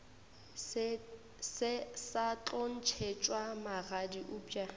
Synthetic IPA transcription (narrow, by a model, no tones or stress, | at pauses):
sɪsat͡ɬʼon̩t͡ʃʰet͡ʃʼwamaɣadiʔʊːpʼja